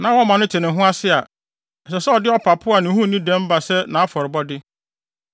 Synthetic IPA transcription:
nã˨˦wɔ˦mã˨nʊ̃˦tʰɪ˨nɪ̃˨˦ɦʊ̃˦a˦sɪ˦a˨ | n̩˨s̬ɛ˨sɛ˦ɔ˨dɪ˦ɔ˦pʰa˨pʰʊ˦a˨nɪ̃˨˦hũ˦˨nĩ˦dɛ̃˦m˦ba˨sɛ˦nã˨a˦fɔ˨ɾɪ˨bɔ˦dɪ˦

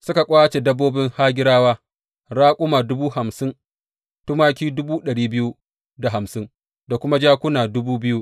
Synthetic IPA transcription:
sʊ˦ka˨kʷʼaː˦t͡ʃe˨dɐ˦bːoː˦bɪ˦ŋhaː˦ɡʲɪ˦ɾaː˦waː˦ | ɾaː˦kʷʼʊ˦maː˨dʊ˦buː˦ha˨msɪ˦n | tʊ˦maː˦kʲiː˦dʊ˦buː˦ɗɐ˨ɽiː˦bɪ˦ju˦ | da˨ɦa˨msɪ˦n | da˨kʷʊ˦ma˦d͡ʒaː˦kʷʊ˦naː˨dʊ˦buː˦bɪ˦ju˦ʔ

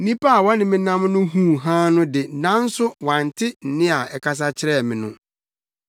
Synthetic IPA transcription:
nĩ˦pa˦a˨wɔ̃˦nɪ̃˨mɪ̃˦nã˦mnʊ̃˦ɦũ˦˨ɦã˦nʊ̃˦dɪ˨nã˦n̩˦sʊ˦wã˨n̩˨tʰɪ˦n̩˨nɪ̃˦a˨ɛ˨kʰa˦s̬a˦t͡ɕʰɪ˦ɾɛ˦˨mɪ̃˨nʊ̃˦

